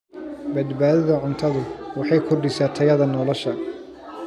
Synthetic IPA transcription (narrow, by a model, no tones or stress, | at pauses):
bɐd̪baːðɐðɐʕʊnt̪ʰɐðʊwɑħɑjkʰʊɖɪsaːt̪ʰɐjɐðɐnɔlɔʃɐ